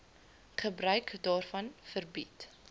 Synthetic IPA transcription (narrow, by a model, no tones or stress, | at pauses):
χəbɾœɥkdɑːrfɐnfərbit